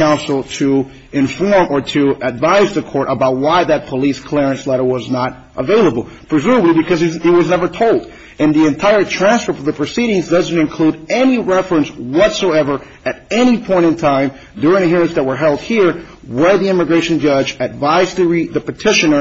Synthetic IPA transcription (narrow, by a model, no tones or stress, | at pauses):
kʰãʊ̃nsl̩ˠtʰɨ | ɪ̃ɱfɔɹmʔə˞ɾɨɨdvaɪzðɨkʰɔɹɾʔəbaʊt̚waɪðɨt̚pʰəliskʰl̥ɛɹɨ̃nslɛɾə˞wʌznəɾ | ʔəveɪlˠəbl̩ˠpʰɹ̥ɨzʉməblibɨkʰʌzihiwʌznɛvə˞tʰoʊlˠd | ɨ̃nðiɨ̃ntʰaɪə˞tʰɹ̥æ̃nsfə˞fə˞ðɨpʰɹ̥ɨsiɾɪ̃ŋzdʌzn̩tɨ̃nkʰl̥uɾɛniɹɛfɹɨ̃nswʌtsoʊɛvə˞ | ɨɾɛñipʰɔ̃ɪ̃ɾ̃ɨ̃ntʰãɪ̃m | dʊɹɪ̃ŋɨɦɪɹɨ̃nsðɨt̚wə˞ɦɛlˠd̚hiɹ | wə˞ðiɪ̃mɨɡɹeɪʃɨ̃n̩d͡ʒʌd͡ʒɨdvaɪzðɨɹiðɨpɨtʰɪʃɨ̃nə˞